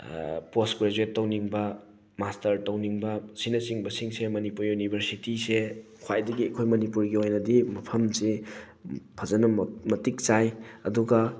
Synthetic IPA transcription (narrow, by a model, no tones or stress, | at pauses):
poskɾed͡ʒuetːɐwniŋbɐ | mastɐɾtɐwniŋbɐsinɐsiŋbɐsiŋsemɐnipuɾjunibʱɐɾsitisekʰwajdɐɡiɐkʰojmɐnipuɾɡiojnɐdimɐpʰɐmse | pʰɐzɐnɐmɐtik̚t͡ʃajɐduɡɐ